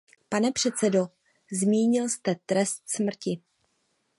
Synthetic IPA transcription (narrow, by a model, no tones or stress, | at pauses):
panɛpr̝̥ɛt̪t͡sɛdo̞ | zmiːɲɪlst̪ɛt̪ɾɛst̪smr̩cɪ